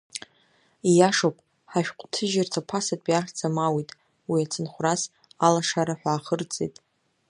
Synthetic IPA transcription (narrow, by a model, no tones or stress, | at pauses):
ijaʂopʼ | ħaʃᶣqʷʼtʰɨʒartʰapʰasatʼiaχʲd͡zʰʼamawitʼ | wiat͡sʰɨnχʷras | alaʂaɾaħʷᶣaːχərt͡sʼejtʼ